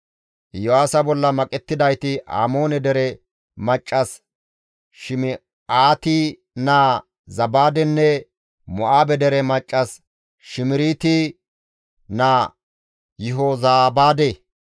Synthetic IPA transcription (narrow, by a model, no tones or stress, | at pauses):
jɔwaːsɐbɔlːɐmɐkʼɛt̪ːɪd̪ɐjt̪ɪa̰ːmo̞ːnɛd̪ɛɾɛ | mɐt͡ʃʼːɐs | ʃɪm | aːt̪i | naː | zɐbaːd̪ɛnːɛ | mɔʔaːbɛd̪ɛɾɛmɐt͡ʃʼːɐs | ʃɪmɪɾiːt̪i | naː | jɪɦoːzaːbaːd̪eː